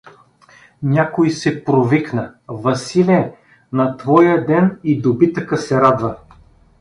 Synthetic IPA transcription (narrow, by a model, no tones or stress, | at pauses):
nʲakojsɛpɾoviknəvɐsilʲɛ | nɐt̪vɔjəd̪ɛnid̪obit̪əkəsɛɾad̪və